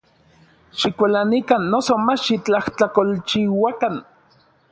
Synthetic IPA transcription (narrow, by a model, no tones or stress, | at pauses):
ʃikʷalanikanːosomat͡ʃʃit͡ɬaht͡ɬakolt͡ʃiwakan